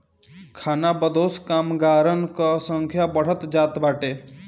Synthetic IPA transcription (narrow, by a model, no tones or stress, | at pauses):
kʰaːnabəd̪oːskaːmɡaːɾənkəsə̃ŋkʰjabəɽ̤ət̪d͡ʒaːt̪baːʈeː